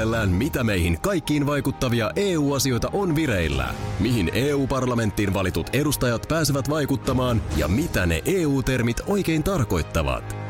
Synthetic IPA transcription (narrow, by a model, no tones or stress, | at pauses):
elːæːnmit̪æme̞jɦinkɑjkːiːnʋɑjkut̪ːɑʋiɑʔeːuːɑsio̞jt̪ɑʔo̞nʋiɾe̞jlːæ̰miɦine̞ːuːpɑrlɑme̞nt̪ːiːnʋɑlit̪ut̪e̞dust̪ɑjɑt̪pæːseʋæt̪ʋɑjkut̪ːɑmɑːnjɑ̰mit̪æne̞̰ʔeːuːt̪e̞rmit̪o̞jke̞jnt̪ɑrko̞jt̪ːɑʋɑ̰t̪